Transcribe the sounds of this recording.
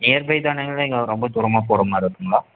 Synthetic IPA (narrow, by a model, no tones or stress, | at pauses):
eːɐɾbɐɪt̪aːneŋɐlɐɪŋɡɐɾɔmbɐt̪ʊɾɐmaːpoːɾɐmaːɪɾɯkːɯŋɡɐɭaː